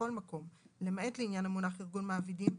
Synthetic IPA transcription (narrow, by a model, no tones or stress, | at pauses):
o̞lmako̞mlemae̞tleinjanamunaχiʁɡunmaːvidim